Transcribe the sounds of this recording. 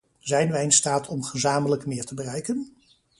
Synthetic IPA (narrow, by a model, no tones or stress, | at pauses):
zɛjnʋɛjɪnstaːtʰɔmχəzaːmələkmɪːɹtəbərɛjkən